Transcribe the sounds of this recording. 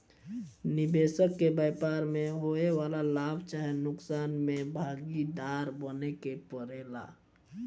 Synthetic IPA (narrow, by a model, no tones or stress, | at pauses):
nɪbeːsəkːebəpaɾmẽɦoewalalaːbʱt͡ʃaːɦɛnʊksaːnmẽbʱaɡid̪aɾbənekepəɾeːla̰